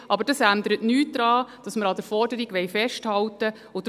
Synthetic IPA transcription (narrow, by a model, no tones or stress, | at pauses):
ʔɑbəɾd̥ɑsændəɾətnyːt̚d̥ɾɑːd̥ɑsməɾɑd̥əɾfɔɾdəɾiɡʋɛjfɛʃthɑltə | ʊd